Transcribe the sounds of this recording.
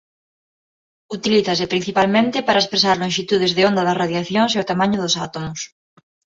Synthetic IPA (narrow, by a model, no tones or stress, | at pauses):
ut̪iliθɐsɪpɾin̟θipalmẽnt̪ɪpaɾɐespɾesaɾlõŋʃit̪uð̞ɪzðɪond̪ɐðɐsraðjaθjoŋs̬eʊt̪amãɲʊðʊsat̪omʊs